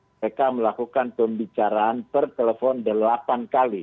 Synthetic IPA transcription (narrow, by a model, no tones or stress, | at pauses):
ekaməlakukanpəmbit͡ʃaɾaːnpərt̪elefɔndəlapankali